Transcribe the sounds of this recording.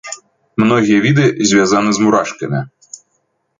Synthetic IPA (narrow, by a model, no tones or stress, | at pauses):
mnɔɣʲijɐvʲid̪ɨzʲvʲazanɨzmuɾaʂkɐmʲi